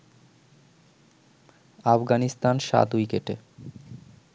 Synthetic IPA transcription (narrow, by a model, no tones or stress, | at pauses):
afɡanist̪anʃa̰t̪ujkeʈe